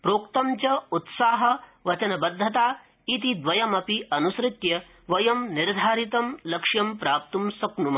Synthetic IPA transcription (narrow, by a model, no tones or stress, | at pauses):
pɾoːkt̪ɐmt͡ʃɐut̪saːɦɐ̆ʋɐt͡ʃɐnɐbɐd̪ʱːɐt̪aː | it̪id̪ʋɐjɐmɐpiɐnusɾɪt̪jɐ | ʋɐjɐmniɾd̪ʱaːɾit̪ɐmlɐkʂjɐmpɾaːp̚t̪umsɐknumɐ